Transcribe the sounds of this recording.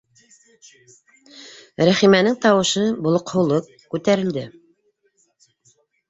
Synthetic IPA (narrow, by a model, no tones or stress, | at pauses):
ɾæχimænɘŋt̪ɑwɤ̆ʃɤbulˠŏqhɤ̆lˠɤp̚kʉt̪æɾɘ̆ld̪ɘ